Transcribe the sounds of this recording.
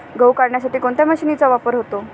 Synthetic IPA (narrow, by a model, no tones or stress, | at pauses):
ɡəwkaɾɳjasaʈiːkoɳt̪jaməɕiːnit͡saʋapəɾɦot̪o